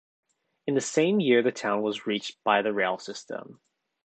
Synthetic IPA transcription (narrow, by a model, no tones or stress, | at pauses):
ɨ̃nðɨsẽɪ̃mjɪɹðɨtʰãʊ̃nwʌzɹit͡ʃb̥aɪðɨɹeɪlˠsɪstʰə̰̃m